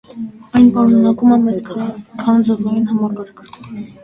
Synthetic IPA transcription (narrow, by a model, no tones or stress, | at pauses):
ɑjnpɑɾunɑkuməmɛt͡skʰkʰɑnd͡zəvɑjinɦɑmɑkɑɾkʰ